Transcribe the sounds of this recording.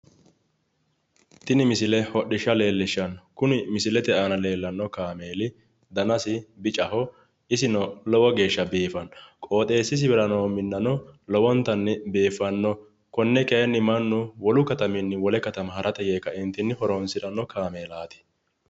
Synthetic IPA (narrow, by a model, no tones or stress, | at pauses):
t̪ɪnɪmɪsɪlɛhɔɗːɪʃːɐle̞ːlːɪʃːɐnkʊnɪmɪsɪlɛt̪ɛʔaːnɐle̞ːlːɐnːɔkaːmeːlɪ | d̪ɐnɐsɪbɪt͡ʃʼɐhɔ | ɪsɪnɔlɔwɔɡe̞ːʃːɐbeːfɐnkʼo̞ːt̪ʼe̞ːsːɪs̬ɪbɛɾɐnoːmɪnːɐnɔlɔwɔnt̪ːɐnːɛbeːfːɐnːɔ | kɔnːɛkɛjɛnːɪmɐnːʊwɔlʊkɐt̪ɐmɪnːɪwɔlɛkɐt̪ɐmɐhɐɾʔɐt̪ɛɡeːkːɐɪnt̪ːɪnːɪhɔɾonsɪɾɐnːɔkʰaːmeːlaːt̪ɪ̥